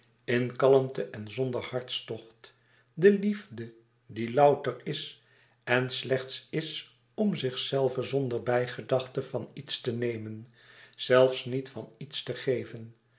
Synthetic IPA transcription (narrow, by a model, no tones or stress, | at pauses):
ɪnkɑləmtəʔɛnzɔndəɹhɑɹtstɔχt | dəlivdə | dilɑwtərɪs | ɛnslɛχtsɪs | ɔmzɪχsɛlˠvəzɔndəɹbɛjχədɑχtəvɑnitstənejmən | z̥ɛlˠfsnitfɑnitstəχejvən